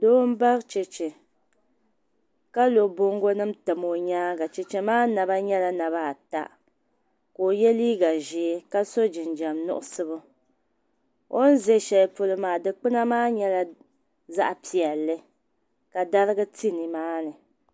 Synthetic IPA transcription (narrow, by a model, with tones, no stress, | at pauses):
doː˦m̩˦ba˦t͡ʃɛ˨t͡ʃe˨ | ka˦lo˨bo˦ŋɡo˦nɨ˦mtɨ˨mo˨ɲaː˦ɡa˨t͡ʃɛ˨t͡ʃɛ˨maː˦na˨ba˦ɲɛ˦la˦na˨βa˦˨ta̰˨ | ko˨jɛ˦liː˦ɡa˨ʒi˨˦ka˦so˦d͡ʒɪ˨nd͡ʒa˨mnʊ̰˦ʔʊ˦sɨ˦bʊ˦ | o˦n̩˦ze˦ʃɛ˨lpʊ˨lɨ˨maː˨dɨ˨k͡pɨ˦na˦maː˦ɲɛ˦la˦ | za̰˦ʔpi˨ɛ˨lːɨ˦ | ka˨da˦ɾɨ˦ɡɨ˦ti˦nɨ˨maː˦nɨ˨